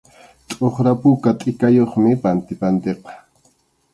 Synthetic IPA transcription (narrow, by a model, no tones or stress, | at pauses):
t̪ʼoχɾapʊkat̪ʼɪkajoχmɪpant̪ɪpant̪eqɑ̥